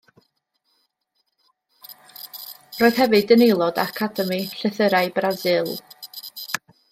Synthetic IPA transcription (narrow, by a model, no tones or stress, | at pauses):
roːɨð̥ɦɛvɨdənejlˠɔda̰kʰadəmiɬəθəɾaɨbrazɨlˠ